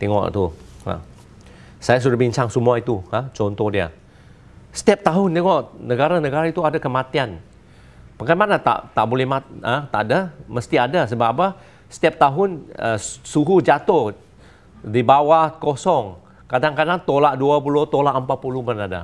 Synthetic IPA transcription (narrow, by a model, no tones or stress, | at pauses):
t̪ɛŋɔ̰ʔt̪uhə̰ | sajas̬udahbiɲt͡ʃaŋsumuait̪uhat͡ʃɔnt̪ɔhdiə̰ | sə̥t̪ɛp̚t̪aɦʊnt̪ɛŋɔʔnəɡaɾanəɡaɾait̪uadakəmat̪ian | pəkajmanat̪a̰ʔt̪a̰ʔbolɛhmaət̪aʔdaməst̪iadasəbaʔpa | sə̥t̪ɛp̚t̪aɦʊnə̰suɦud͡ʒat̪o | dibawahkosɔŋ | kadaŋkadaŋt̪olaʔduapulʊht̪olaʔəmpapulumanada̰